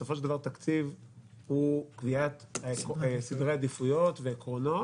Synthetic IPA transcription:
sofoʃeld̪avaʁt̪akt͡siv | hukviat̪ | sid̪ʁead̪ifujo̞t̪vekʁono̞

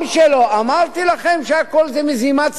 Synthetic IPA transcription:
mʃelo̞amaʁt̪ilaχe̞mʃeako̞lzemezimat͡s

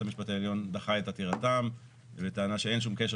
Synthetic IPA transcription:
amiʃpataeljo̞nd̪aχaet̪at̪iʁatam | vet̪eanaʃee̞nʃ̬umke̞ʃ̬e

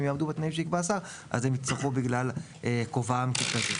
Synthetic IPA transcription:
mjaːmd̪ubet̪naimʃ̬eikbaːsaʁ | ʔa̰zemit͡saχubiɡlal | ʔekovamkikazi

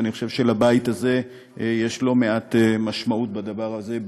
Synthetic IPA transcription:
aniχoʃevʃelabaitaze̞ | je̞ʃlo̞meat̪emaʃmaut̚bad̪avaʁaze̞

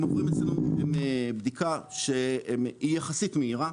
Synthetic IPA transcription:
movʁimet͡slenuemebd̪ikaʃeijaχasit̪meiʁa

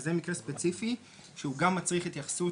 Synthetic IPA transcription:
zemikʁespet͡sifi | ʃeuɡamːat͡sʁiχit̪jaχḁsu

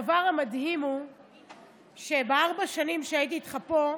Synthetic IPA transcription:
vaʁhamadhimu | ʃe̞beaʁbaʃanimʃeait̪̬iːt̪χapo

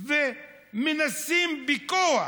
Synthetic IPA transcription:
vɛ | minasimbikɔwa

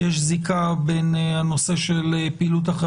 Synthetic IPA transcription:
jeʃzikabenhano̞se̞ʃelepiːlut̪̬aχe

